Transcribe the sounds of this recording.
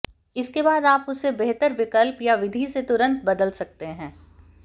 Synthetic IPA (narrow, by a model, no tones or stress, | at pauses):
ɪskebaːd̪aːpʊsːebeɦt̪əɾʋɪkəlpjaʋɪd̪ʱiset̪ʊɾə̃nt̪bɐd̪əlsɐk̚t̪eɦɛ̃ː